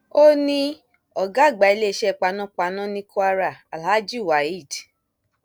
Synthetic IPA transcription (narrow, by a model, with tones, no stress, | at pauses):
o˦nĩ˦ | ɔ˨ɡa˦˨ɡ͡ba˨i˧le˦˨ʃɛ˦˨k͡pa˧nɔ̃˦k͡pa˨˧nã˦nĩ˧ku˦a˦ɾa˦˨a˨la˨˦d͡ʒi˦˨wa˨i˦˨d